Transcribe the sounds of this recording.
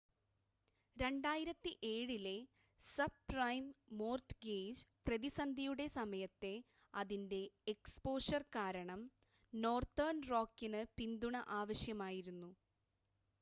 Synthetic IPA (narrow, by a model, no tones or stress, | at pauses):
ɾe̞ɳɖaːjiɾɐt̪ːiʔe̞ːɻile̞ | sɐb̚rɐjmːo̞ːrtɡeːd͡ʑprɐðisɐnd̪ʱijuɽe̞sɐmɐjɐt̪ːe̞ | ɐðinde̞ːkspo̞ːʂɐrkaːɾɐɳɐm | no̞ːrt̪ɐrnro̞ːkːinɨpind̪uɳɐʔaːʋɐɕjɐmaːjiɾunːu